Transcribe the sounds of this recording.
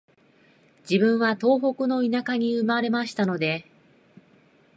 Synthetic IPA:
d͡ʑibɯ̟̃ɰ̃βat̪o̞ːɦo̞kɯ̟no̞inakaɲ̟iɯ̟maɾe̞maɕi̥t̪ano̞d̪e̞

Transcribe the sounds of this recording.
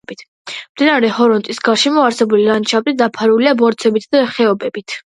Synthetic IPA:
b̥it̪ʰ | md̪inaɾɛhɔɾɔnt̪ʼisɡaɾʃɛmɔaɾsɛbulilant͡ʃʰabɾit̪d̪apʰaɾuliabɔɾt̪sʰɛbit̪ʰd̪aχɛɔbɛbit̪ʰ

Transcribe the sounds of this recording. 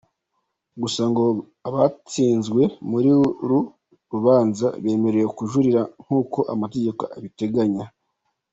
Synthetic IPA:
ɡusaŋɡo̞ | aβat͡siːnzɡwe̞muɾiɾu | ɾuβaːnza̰βe̞ːme̞ɾe̞jekuʒuɾiɾaŋ̥huːko̞ʔamate̞ɟe̞ko̰aβite̞ɡaɲa

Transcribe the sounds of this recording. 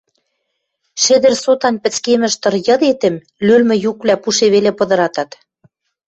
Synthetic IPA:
ʃĕd̪ɘ̆rsot̪ɑnpɘ̆t͡skemɘ̆ʃt̪ɤ̆rjɤ̆d̪et̪ɘ̆m | lylmɘ̆jukβlæpuʃeβelepɤ̆d̪ɤ̆ɾɑt̪ɑt̪

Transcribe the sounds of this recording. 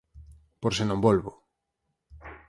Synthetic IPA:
poɾsɪnõmbolβo

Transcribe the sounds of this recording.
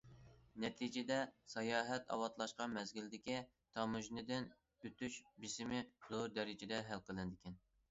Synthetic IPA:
nɛt̪ʰid͡ʒɪd̪ɛsɑjɑːɦɛt̪ʰɑ̰wɑt̪lˠɑʃqɑmɛzɡʲild̪ɪkʲi | t̪ʰɑmuʒnɨd̪ɪn | øt̪ʰyʃbɪsɪmɪzoɾd̪ɛɾɪd͡ʒɪd̪ɛɦælqʰəlˠɨnd̪ɪkʲɛn

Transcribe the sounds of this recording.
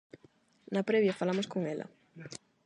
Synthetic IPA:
napɾeβjafalamoskoŋela̰

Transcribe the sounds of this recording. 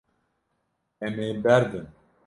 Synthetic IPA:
ɛmeːbɛɾd̪ɨn

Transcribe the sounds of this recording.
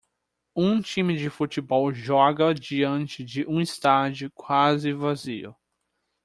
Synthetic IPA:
ũt͡ʃĩmɪd͡ʒɪfut͡ʃɪbɔwʒɔɡɐd͡ʒiɐ̃nt͡ʃɪd͡ʒɪʔũist̪ad͡ʒʊkwazɪvazḭʊ̰

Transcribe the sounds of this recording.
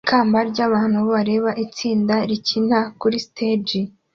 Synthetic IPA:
kʰaːmbaɾɟaːβaːnhuβoβaɾe̞ːβaʔit͡siːndaɾicin̥hakuɾistʰed͡ʒi

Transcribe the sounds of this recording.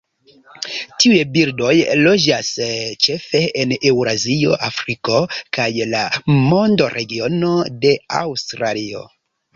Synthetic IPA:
tiujebiɾdo̞jlo̞d͡ʒast͡ʃe̞fe̞enewɾazioʔafɾiko̞kajlamo̞ndoɾʔe̞ɡio̞no̞de̞a̰wstɾalio̞̰

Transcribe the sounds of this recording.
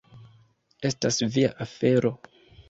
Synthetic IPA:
e̞stasviaʔafe̞ɾʔo̞

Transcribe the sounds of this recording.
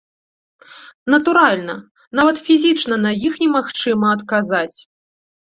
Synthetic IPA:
nɐt̪uɾalʲnɐ | n̪avɐt̪fʲizʲit͡ʂn̪ɐnɐjixnʲɛmaxt͡ʂɨmɐːt̪kazat͡sʲ

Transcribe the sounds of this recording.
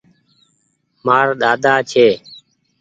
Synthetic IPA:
maːɾɗ̪aːd̪aːt͡ʃʰeː

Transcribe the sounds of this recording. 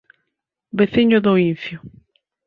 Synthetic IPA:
beθiɲoðoin̟θjo

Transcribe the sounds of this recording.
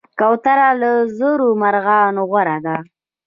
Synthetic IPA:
kawt̪aɾaləzoɾomaɾɣɑnoɣwaɾad̪a

